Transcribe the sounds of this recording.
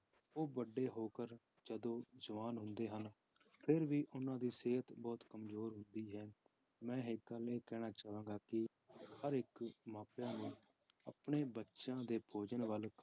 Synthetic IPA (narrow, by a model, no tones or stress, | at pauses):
oːbəɖːeːɦoːkəɾ | d͡ʒəd̪õːzəʋaːnɦʊ̃nd̪eːɦən | pʰɪɾʋiːʔʊnãːd̪iːseːɦət̪bɔːt̪kəmzoːɾɦʊnd̪iːɦɛː | mɛ̃ːɦɪkːəleːkɛːɽ̃aːt͡ʃaːʋãːɡaːkɪ | həɾɪkmaːpjãːnũː | ə̰pɳeːbətːʃãːd̪eːpʰoːd͡ʒənʋəlk